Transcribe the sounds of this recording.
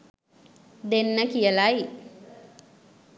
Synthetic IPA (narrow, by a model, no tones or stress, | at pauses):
d̪enːəkijəlaj